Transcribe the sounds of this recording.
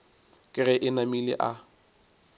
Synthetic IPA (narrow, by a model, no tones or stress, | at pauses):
kʼɪrɛʔɪnamilɪ̰ʔa